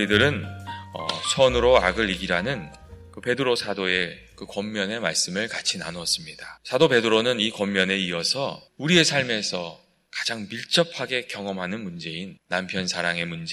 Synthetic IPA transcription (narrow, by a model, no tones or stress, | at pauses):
idɯɾɯnʌ̰sʰʌnɯɾoa̰ɡɯɭːiɡiɾanɯn | kɯpe̞dɯɾosʰadoe̞ | kɯkʌmːjʌne̞maɭs͈ɯmɯɭkat͡ɕʰina̰noʌs͈ɯmɲidasʰadope̞dɯɾonɯnikʌmːjʌne̞iʌsʰʌuɾie̞sʰaɭme̞sʰʌ | kḁd͡ʑaŋmiɭt͡ɕ͈ʌpʰaɡe̞kjʌŋʌmɦanɯnmund͡ʑe̞inːampʰjʌnsʰaɾaŋe̞mund͡ʑe